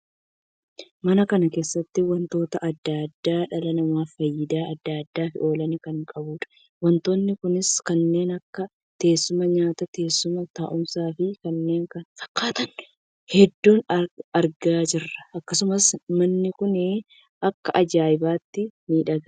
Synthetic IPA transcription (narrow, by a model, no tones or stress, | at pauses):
mɐnɐkɐnɐke̞ːsːɐt̪ːɪwɐnt̪o̞ːt̪ɐʔɐd̪ːaːd̪ːaːᶑɐlɐnɐmaːfɐjːɪd̪aːɐd̪ːaːd̪ːaːfɪ̰ʔo̞ːlɐnɪkɐŋkʼɐbuːᶑɐ̥ | wɐnt̪oːnːɪkʊnɪskɐnːe̞ːnɐkːɐ | t̪e̞ːsːʊmɐɲaːt̪ɐt̪e̞ːsːʊmɐt̪aːʔʊmsaːfɪkɐnːe̞ːŋkɐnfɐ̥kʰːaːt̪ɐnː | hɛd̪ːuːnɐɾɡaːd͡ʒɪrːɐɐkːɐsʊmɐsmɐnːɪkʊnɪ | ʔɐkːɐʔɐd͡ʒaːɪbaːt̪ːɪmiːᶑɐɡ